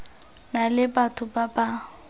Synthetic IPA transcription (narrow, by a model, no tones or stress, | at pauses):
nalɪbatʰʊbaba